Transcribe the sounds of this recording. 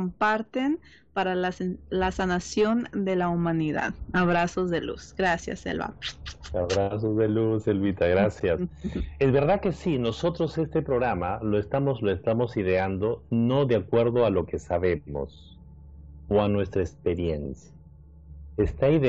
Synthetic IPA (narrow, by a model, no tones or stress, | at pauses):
mpaɾt̪en | paɾalalasanasjo̞nd̪elaumãniða̰ðaβɾasozðelṵsɡ̥ɾasja̰sḛlβa̰aβɾasozðeluselβit̪aɣɾasjasezβe̞ɾðake̞sino̞so̞t̪ɾo̞se̞st̪epɾoɣɾamalo̞est̪amozloest̪amo̞siðeand̪o̞no̞ðeakwe̞ɾðo̞alo̞ke̞saβemo̰s | oanwe̞st̪ɾaekspeɾje̞nsja | est̪aiðe